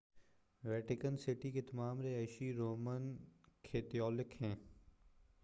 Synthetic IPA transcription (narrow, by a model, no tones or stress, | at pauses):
ʋɛːʈɪkənsɪʈiket̪ɐmaːmɾeɛːʃiɾoːmənkʰeːt̪ijɔːlɪkɦɛ̃ː